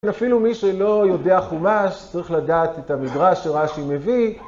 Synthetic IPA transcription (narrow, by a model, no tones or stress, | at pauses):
nafilumiʃelo̞jo̞de̞aχumaʃt͡saʁiχladaːt̪ethamidʁaʃːeʁaʃimevi